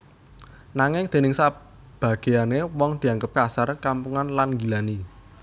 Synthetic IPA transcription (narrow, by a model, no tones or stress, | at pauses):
naŋɪŋd̪̥e̤nɪŋsa | b̥a̤ɡ̥e̤anewɔŋd̪̥i̤aŋɡəp̚kasarkampuŋanlanŋɡi̤lani